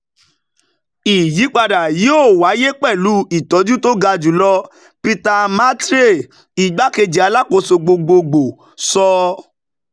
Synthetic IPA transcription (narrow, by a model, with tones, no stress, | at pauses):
i˨ji˨˦k͡pa˧da˨ji˨˦o˦˨wa˨˦je˦k͡pɛ˦˨lu˨˦i˨tɔ˨˦d͡ʒũ˦to˦ɡa˧d͡ʒu˨˦lɔ˧ | pi˧ta˧ma˦tɾe˦˨ | i˨ɡ͡ba˨˦ke˧d͡ʒi˨a˧la˦ko˧so˧ɡ͡bo˧ɡ͡bo˧ɡ͡bo˨ | sɔ˧